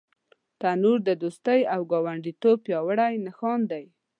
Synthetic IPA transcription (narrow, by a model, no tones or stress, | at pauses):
t̪anuɾd̪əd̪ost̪əjawɡɑwaɳɖit̪ob̚pjɑwəɽajnaxɑnd̪aj